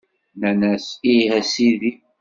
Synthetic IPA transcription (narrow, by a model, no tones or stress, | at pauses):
nænæsihæsiði